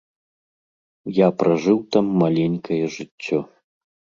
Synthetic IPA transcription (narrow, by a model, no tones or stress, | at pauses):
japɾɐʐɨwt̪amːalʲenʲkɐjɛʐɨt͡sʲːɔ